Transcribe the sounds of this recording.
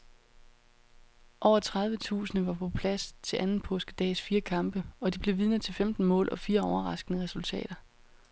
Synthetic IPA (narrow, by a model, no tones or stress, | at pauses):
ʔɒʊɐt͡sʰʁɑ̈ð̞ˠʋət͡sʰṵːsənəʋɑ̈pʰɒ̽pʰlæst͡sʰe̝lʔænn̩pʰɔ̽ːsɡ̥əd̥ɛ̰ːsfiːɐkʰɑ̈mb̥əɒ̽d̥ib̥le̝ʋið̞ˠnət͡sʰe̝lfemd̥n̩mɔ̰ːlʔɒ̽fiːɐɒʊɐʁɑ̈sɡ̥ənəʁɛsult͡sʰɛ̰ːɾ̥ɐ